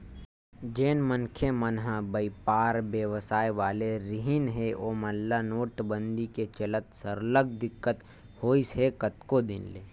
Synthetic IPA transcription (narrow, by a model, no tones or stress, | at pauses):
d͡ʒeːnmənkʰemənɦə̃bɐipaːɾbjəʋsaːjʋaːleɾɪɦɪnɦeʔoːmɐlːanoːʈbə̃nd̪iket͡ʃɐlət̪səɾləɡ̚d̪ɪkːət̪ | hoːisɦekət̪kod̪ɪnlḛː